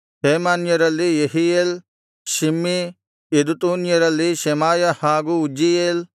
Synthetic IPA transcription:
heːmaːnjɐɾɐlːijɐɦiel | ʃimːi | ed̪ut̪uːnjɐɾɐlːiʃemaːjɐhaːɡuud͡ʒijeːl

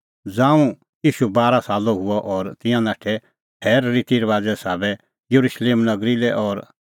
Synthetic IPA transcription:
d͡zãːũ | jiːʃubaːɾasaːloɦʊɔʔɔːɾt̪ɪ̃jãnaːʈʰɛ | pʰɛːɾːit̪iɾʋaːd͡zɛsaːbɛ | jɐɾuʃleːmnɐɡɾilɛʔɔːɾ

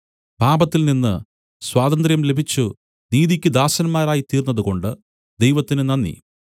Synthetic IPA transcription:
bʱaːbɐt̪ːilninːɨ | swaːd̪ɐnd̪rjɐmle̞bʱit͡ɕːu | niːðikʲːɨd̪aːɕɐnɐmːaːɾaːjit̪iːrnːɐðuko̞ɳɖɨ | d̪ejʋɐt̪ːinɨnɐnːḭ

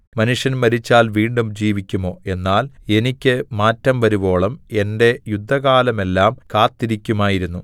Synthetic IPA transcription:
mɐnuʂjɐnmɐɾit͡ɕːaːlʋiːɳɖumd͡ʑiːʋikʲːumo̞ːe̞nːaːle̞nikʲːɨmaːtːɐmʋɐɾubo̞ːɭɐme̞nde̞jud̪ʱːɐɣaːlɐme̞lːaːmkaːt̪ːiɾikʲːumaːjiɾunːu

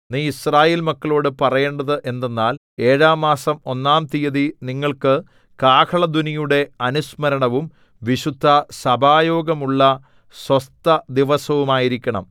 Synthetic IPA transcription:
niːisraːje̞ːlmɐkːɐɭo̞ːɽɨpɐrɐjeːɳɖɐðɨʔe̞nd̪e̞nːaːl | e̞ːɻaːmːaːsɐmo̞nːaːmt̪ijɐðiniŋːɐɭkɨ | kaːkʰɐɭɐd̪unijuɽe̞ɐnusmɐɾɐɳɐʋum | ʋiɕud̪ʱːɐsɐbʱaːjo̞ːɡɐmuɭːɐ | swɐst̪ɐd̪iʋɐsɐʋumaːjiɾikʲːɐɳɐ̰m

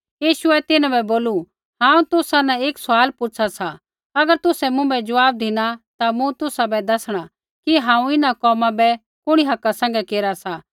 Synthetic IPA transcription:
jiːʃʊɛt̪ɪnãbɛboːlu | ɦãːũt̪ʊsanaeːksʊaːlpʊt͡ʃʰasa | ɐɡəɾt̪ʊsɛmʊ̃bɛd͡ʒʊʋaːb̚d̪ʱɪnat̪amũt̪ʊsabɛd̪ɐsɽ̃a | kiɦãːũɪnakɔːmãbɛ | kʊɽ̃iɦɐkːasɛ̃ːŋ̆ɡɛkeːɾasa

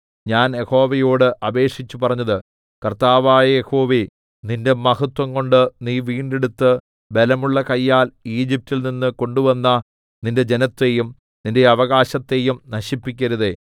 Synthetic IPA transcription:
ɲaːnje̞ho̞ːʋejoːɽɨʔɐbe̞ːʂit͡ɕːupɐrɐɲːɐðɨ | kɐrt̪aːʋaːjɐjeho̞ːʋi | ninde̞mɐhɐt̪wɐŋko̞ɳɖɨniːʋiːɳɖeɽut̪ːɨ | be̞lɐmuɭːɐkɐjːaːliːd͡ʑip̚tilninːɨko̞ɳɖuʋɐnːɐ | ninde̞d͡ʑe̞nɐt̪ːe̞jum | ninde̞ɐʋɐɣaːɕɐt̪ːe̞jumnɐɕipːikʲːɐɾuðe̞

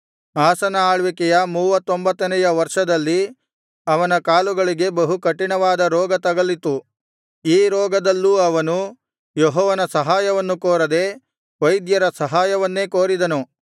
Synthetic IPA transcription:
aːsɐnɐaːɭʋikɛjɐmuːʋɐt̪ːombɐt̪ːɐnɛjɐʋɐɾʂɐd̪ɐlːi | ɐʋɐnɐkaːluɡɐɭiɡe̞bɐɦukɐʈːiɳɐʋaːd̪ɐɾɔːɡɐt̪ɐɡɐlit̪u | iːɾɔːɡɐd̪ɐlːuɐʋɐnu | jɔɦɔːʋɐnɐsɐɦaːjɐʋɐnːukoːɾɐd̪e̞ | ʋɐjd̪jɐɾɐsɐɦaːjɐʋɐnːe̞ːkoːɾid̪ɐnu

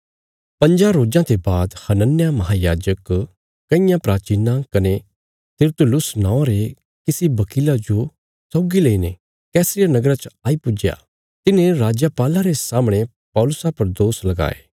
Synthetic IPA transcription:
pɐ̃ɲd͡ʒaɾoːd͡ʒãt̪ebaːd̪hɐnənjamɐɦaːjaːd͡ʒək | kɐɪ̃jãpɾaːt͡ʃiːnãkɐne | t̪ɪɾt̪ʊlʊsnãːõɾe | kɪsibɐkiːlad͡ʒo | sɔːɡileine | kɛːsɾɪjanɐɡɾat͡ʃaːipʊd͡ʒja̰ | t̪ɪnẽɾaːd͡ʒapaːlaɾesaːmɽ̃e | pɔːlʊsapɐɾd̪oːslɐɡa̰ːḛː

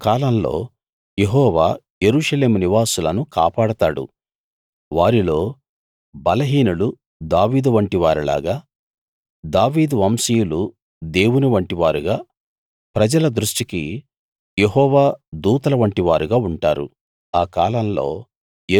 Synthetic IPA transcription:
kaːlɐmlo̞̰ː | jeɦɔːʋa̰ː | je̞ɾuːʂɐle̞ːmuniʋaːsulɐnuka̰ːpaːɽɐt̪aːɽṵ | ʋaːɾilo̞ː | bɐlɐɦiːnulu | d̪aːʋiːd̪uʋɐɳʈiʋaːɾila̰ːɡaː | d̪aːʋiːd̪uʋɐːmsijulu | d̪e̞ːwuniʋɐɳʈiʋaːɾuɡaː | pɾɐd͡ʒɐlɐd̪ɾuʂʈikḭ | jeɦɔːʋaːd̪uːt̪ɐlɐʋɐɳʈiʋaːɾuɡaːuɳʈaːɾṵ | aːkaːlɐmlo̞̰ː

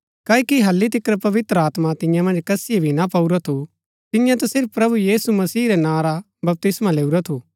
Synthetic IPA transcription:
kaːikiɦɐlːit̪ɪkɾpɐʋɪt̪ɾəaːt̪mat̪ɪ̃jãmɐ̃nd͡ʒkɐsɪjebʱinapɐuɾat̪ʰu | t̪ɪjãt̪̬ɛsɪɾpːɾɐbujiːsumɐsiːɾɛnãːɾa | bɐp̚t̪ɪsmãleːuɾat̪ʰuː

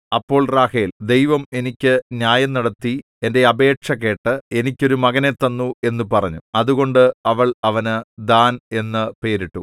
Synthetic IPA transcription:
ɐpːo̞ːɭraːheːld̪e̞jʋɐme̞nikʲːɨnjaːjɐmnɐɽɐt̪ːi | e̞nde̞ɐbe̞ːʈʂɐkːe̞ːʈːɨe̞nikʲːo̞ɾumɐɣɐnet̪ːɐnːue̞nːupɐrɐɲːuɐðuɣo̞ɳɖɨɐʋɐɭɐʋɐnɨd̪aːne̞nːɨpe̞ːɾiʈːṵ

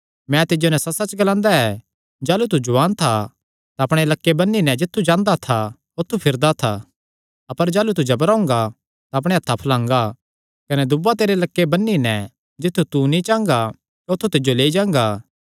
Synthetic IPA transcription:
mɛ̃t̪ɪd͡ʒonɛsɐsɐt͡ʃɡɐlãːnd̪aɛ | d͡ʒaːlut̪̬ud͡ʒʊʋaːnt̪ʰa | t̪aɐpɽ̃elɐkːebɐnːinɛ̃d͡ʒɪt̪ʰːud͡ʒãːnd̪at̪ʰa | ot̪ʰːupʰɪɾd̪at̪ʰa | ɐpəɾd͡ʒaːlut̪̬ud͡ʒɐbəɾaːʊ̃ŋ̆ɡa | t̪aɐp̬ɽ̃eɐt̪ʰːapʰɐlãːŋɡa | kɐnɛd̪ʊbat̪eːɾelɐkːebɐnːinɛ̃ | d͡ʒɪt̪ʰːut̪unĩt͡ʃãːŋɡa | ot̪ʰːut̪ɪd͡ʒoleːid͡ʒãːŋ̆ɡaː

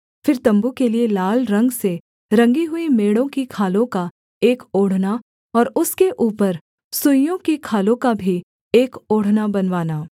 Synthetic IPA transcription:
fɪɾt̪ɐ̃mbukelielaːlɾɐ̃ŋɡse | ɾɐ̃ŋɡiɦʊimeːɽõkikʰaːlõka | eːkoːɽ̤na | ɔːɾʊskeʔuːpəɾ | sʊjõkikʰaːlõkabʱi | eːkoːɽ̤nabɐnʋaːnaː

